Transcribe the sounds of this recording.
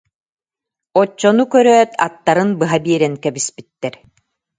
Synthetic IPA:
ɔt͡ɕːɔnukœɾœːt̪ʰa̰t̪ːaɾɯnbɯɦabiɛɾɛŋkɛbispit̪ːɛɾ

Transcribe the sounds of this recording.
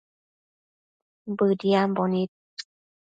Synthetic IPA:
bɯdiambɔnit̪̚

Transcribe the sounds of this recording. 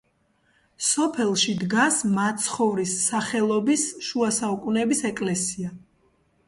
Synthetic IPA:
sɔpʰɛlˠʃid̪ɡasmat̪sʰχɔvɾisːaχɛlˠɔbisʃuasaukʼunɛbisɛkʼlɛsia

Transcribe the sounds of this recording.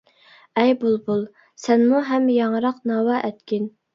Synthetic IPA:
ɛjbulˠbulˠ | sɛnmuɦɛmjɑŋɾɑqnɑːwɑʔɛt̪kʲin

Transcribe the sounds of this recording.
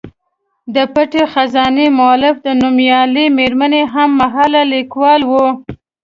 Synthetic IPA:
d̪əpaʈexazɑnemʊɑlɪfd̪ənumjɑlimeɾmaneɦamːaɦɑlalikwɑlwu

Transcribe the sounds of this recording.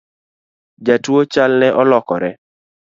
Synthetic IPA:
d͡ʒatwot͡ʃalnɛʔɔlɔkɔɾɛ

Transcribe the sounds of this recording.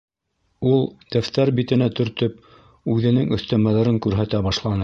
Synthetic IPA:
ulˠd̪̥æft̪æɾbit̪ɘ̆næt̪ɵ̆ɾt̪ɵp̚ | ʉðɘ̆nɘŋɵ̆θt̪æmæðæɾɤŋkʉɾɦæt̪æbɑʃlˠɑnɤ

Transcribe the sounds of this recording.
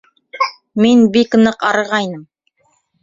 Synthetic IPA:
minbikɤ̆nɤqɑɾɤ̆ʁɑjnɤm

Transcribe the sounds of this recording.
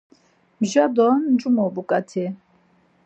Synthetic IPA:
mʒad̪ɔnd͡ʒumɔbukʼat̪ʰɛ

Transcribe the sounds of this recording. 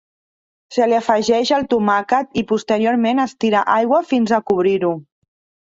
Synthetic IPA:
səliafəʒɛʃəlˠt̪umakət̪ipust̪əɾioɾmenəst̪iɾa̰ʔajɣwafinzakuβ̞ɾiɾu

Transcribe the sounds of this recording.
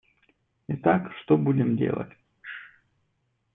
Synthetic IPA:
ɪt̪akʂt̪obudʲɪmdʲḛlˠə̰tʲ

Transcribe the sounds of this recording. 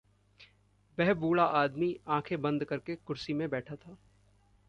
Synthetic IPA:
bɛɦbuːɭaʔaːd̪miãːkʰebɐ̃nd̪kɐɾkekʊɾsimẽbɛːʈʰat̪ʰaː

